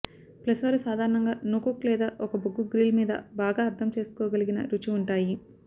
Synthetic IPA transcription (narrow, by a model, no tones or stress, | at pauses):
plɐsʋɐɾusaːd̪ʱaːɾɐɳɐŋɡaːnuːkoklɛːd̪aːʔɔkɐboɡːuɡɾiːlmiːd̪ɐ̰baːɡaːɾt̪ʰːɐmt͡ʃe̞ːsu̥kɔːɡɐliɡinɐ̰ɾut͡ʃiuɳʈaːji